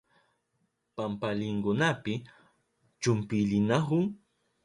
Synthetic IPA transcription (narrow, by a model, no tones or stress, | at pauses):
pampalɪŋkʊnapɪ | t͡ʃʊmpɪʎɪnaɦʊŋ